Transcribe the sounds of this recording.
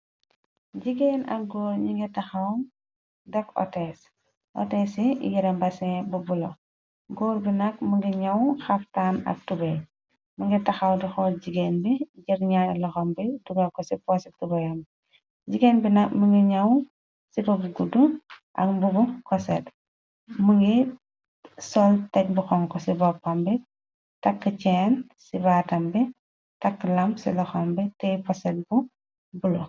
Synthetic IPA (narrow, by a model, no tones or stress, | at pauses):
ɟiɡeːnɐ̰kɡɔːɾɲiŋɡitɐxawm | dɐkɔ̰tɛːs | ʔɔ̰tɛːsḭjiɾɛmbɐsɛbubulɔ̰ | ɡɔːɾbinɐkmuŋɡiɲɐwxɐftaːnɐ̰tubɛj | miŋɡitɐxawdɐxɔɟiɡeːnbiɡiɾɲalɔxɔmbiduɡakɔsipɔsitubɐjɐm | d͡ʒiɡɛnbinɐmuŋɡɛɲɐw | sibɐpɡuduʔɐ̰k̚buɡukɔsɛ̰t | muŋɡɛ | sɔltɐk̚buxɔŋkɔsibɔpːɐmbi | tɐkːət͡ʃɛːnsibaːtɐmbi | tɐkːəlɐmsḭlɐxɔmbɛtɐjfɐsɛl̚bu | bulɔ